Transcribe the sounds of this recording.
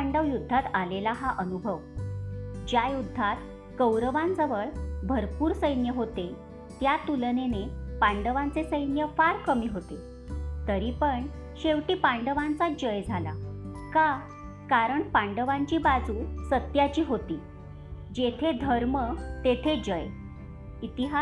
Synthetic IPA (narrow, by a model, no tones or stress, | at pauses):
ɳɖəʋjud̪ʱːat̪alelaɦaʔənubʱəʋ | d͡ʑjajud̪ʱːat̪ | kəwɾəʋãnd͡zəʋəɭbʱəɾpuːɾsəjnjəɦot̪e | t̪jat̪ulnenepaɳɖəʋant͡sesəjnjəfaɾkəmiːɦot̪e | t̪əɾipəɳ | ɕeʋʈiːpaɳɖəʋant͡sad͡ʑəjd͡zʱala̰ka | kaɾəɳpaɳɖəʋaɲt͡ɕiːbad͡zuːsət̪jat͡ɕiːɦot̪iː | d͡ʑet̪ʰed̪ʱəɾmət̪et̪ʰed͡ʑəj | it̪iɦa